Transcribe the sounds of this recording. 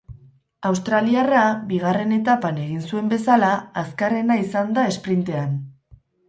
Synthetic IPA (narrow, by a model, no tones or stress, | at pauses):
awst̪ɾaliarabiɣ̞are̞ne̞t̪apane̞ɣinsue̞mbe̞salaːskare̞naisand̪ae̞spɾint̪e̞an